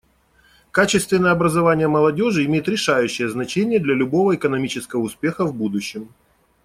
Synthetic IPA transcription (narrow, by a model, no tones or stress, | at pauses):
kat͡ɕɪst̪vʲɪnːəjəɐbɾəzɐvanʲɪjəməlˠɐdʲo̞ʐɨɪmʲejɪt̪ɾʲɪʂajʉɕːɪjəznɐt͡ɕenʲɪjəd̪lʲɐlʲʊbo̞vəɪkənɐmʲit͡ɕɪskəvəʊspʲe̞xəvbud̪ʊɕːɪm